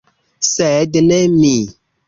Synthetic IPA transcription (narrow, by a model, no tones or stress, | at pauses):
sɛdənɛmi